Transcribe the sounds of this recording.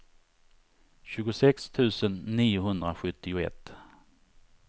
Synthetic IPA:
ɕʉ̟ːɡʊsɛkst̪ʰʉ̟ːsənːiːʊɦɵnd̪ɾaɧɵt̪ːɪʊɛ̰t̪ː

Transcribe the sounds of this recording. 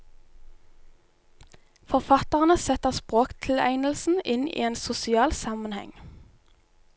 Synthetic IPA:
fɔʁfɑt̪əʁənəsɛt̪əʁspʁoːkt̪ʰɪlæ̰ɪnəl̩sn̩ɪnḭːeːnsʊsɪɑːlsɑmənhɛ̰ŋ

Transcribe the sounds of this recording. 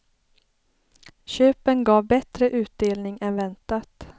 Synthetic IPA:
ɕøːpənɡɑːvbɛt̪ɾəʔʉ̟ːt̪̚d̪eːlnɪŋɛnvɛnt̪at̪

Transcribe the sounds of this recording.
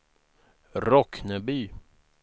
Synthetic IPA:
ɾɔknəbyː

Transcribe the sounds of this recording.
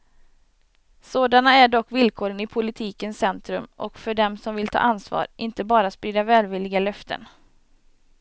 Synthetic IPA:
soːd̪anaæɖɔkːvɪlkʰoːɾənɪpʰʊlɪt̪ʰiːkənsɛnt̪ɾɵmʔɔ̰kfœɖɛmsɔmvɪlt̪ʰɑ̰ːʔansvɑ̰ːɾʔɪnt̪əbɑːɾaspɾiːd̪avɛːlvɪlːɪɡalœft̪ʰə̰n

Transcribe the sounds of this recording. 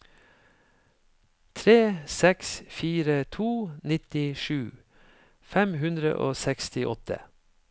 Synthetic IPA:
t̪ʰɾeːsɛksfiːɾət̪ʰuːnɪt̪ɪʃʉː | fɛmɦʉnd̪ɾə̰ʔoːsɛkst̪ɪʔɔt̪ʰə̰

